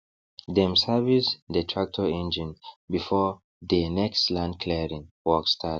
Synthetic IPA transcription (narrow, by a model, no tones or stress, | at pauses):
dɛ̃msavisdətʰɹak̚tʰɔɛ̃nd͡ʒĩnbifɔ | dənɛkstlãndkʰlɛɹĩŋwɔkstʰat